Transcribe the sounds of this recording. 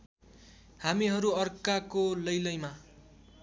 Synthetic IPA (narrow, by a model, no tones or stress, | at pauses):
hamiɦʌɾuʌrkakolʌjlʌjma